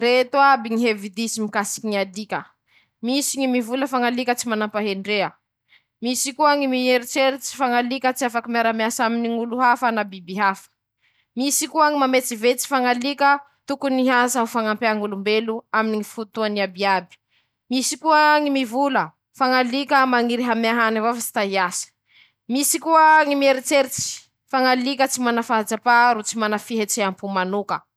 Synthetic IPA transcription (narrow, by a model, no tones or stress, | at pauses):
ret̪uabiŋiɦevid̪isimikasi̥kiŋiad̪ikʲə | misiŋimivuləfaŋalikət͡simanampaɦeɳɖ͡ʐeə | misikuaaŋimieɾit͡seɾit͡si̥faŋalikʲət͡siafakimiaɾamjasaminiŋuluɦafanabibiɦafə̥ | misikuaŋimamet͡sivet͡si̥faŋalikʲə | t̪ukuniɦazaɦufaŋampeaŋulumbeluaminiŋifut̪uaniabiabi̥ | misikuəŋimivulə | faŋalikʲəmaŋiɾiɦamaɦanavafasi̥t̪aɦiasə̥ | misikuəŋimieɾit͡seɾit͡si̥ | faŋalikʲət͡simanafaad͡zapaɾut͡simanafiɦet͡seampumanukə̰